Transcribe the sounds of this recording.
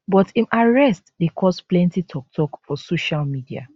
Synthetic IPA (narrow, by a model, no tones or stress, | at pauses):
bɔtimʔaɹɛstdekʰɔsplɛ̃ntitʰɔk̚tʰɔkfɔsoʃalmidia̰